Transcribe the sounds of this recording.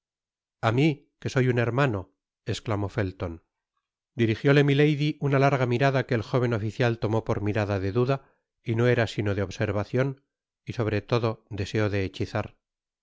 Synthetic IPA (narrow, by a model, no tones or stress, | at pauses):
ami | ke̞so̞june̞ɾmano̞ | e̞sklamo̞fe̞lt̪o̞n | d̪iɾixjo̞le̞mile̞jðiʔunalaɾɣamiɾaðake̞ːlxo̞β̞e̞no̞fiθjalt̪o̞mo̞po̞ɾmiɾaðaðe̞ðuða | ino̞e̞ɾasino̞ðeo̞βse̞ɾβaθjo̞n | iso̞βɾe̞t̪o̞ðo̞d̪e̞se̞oðe̞ːt͡ʃiθaɾ